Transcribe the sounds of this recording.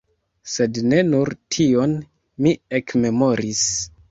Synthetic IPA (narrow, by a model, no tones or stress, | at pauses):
se̞dne̞nuɾtʰio̞n | miekme̞mo̞ɾis